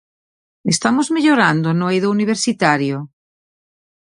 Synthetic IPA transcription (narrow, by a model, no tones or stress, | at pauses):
est̪amozmeʎoɾand̪onoejðouniβ̞eɾsit̪aɾjo